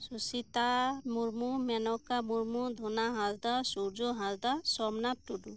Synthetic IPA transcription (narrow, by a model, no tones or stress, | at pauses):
susit̪amuɾmumɛnɔkamuɾmud̪ʱunaɦãzd̪asuɾd͡ʒuɦãzd̪asɔmnatuɖu